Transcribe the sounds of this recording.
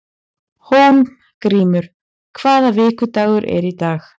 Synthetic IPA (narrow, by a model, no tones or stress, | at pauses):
hun | kɾiːmʏɾ̥ | kʰv̥aːðavɪːkʏt̪aːwɣʏɾʔɛ̰ɾit̪aːx